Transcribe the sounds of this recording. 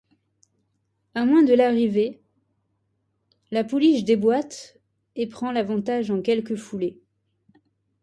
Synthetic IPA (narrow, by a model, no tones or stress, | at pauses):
amwɛ̃d̪əlaʁive | lapuliʃd̪ebwat̪ | epχɑ̃lavɑ̃t̪aʒɑ̃kʲɛlkəfule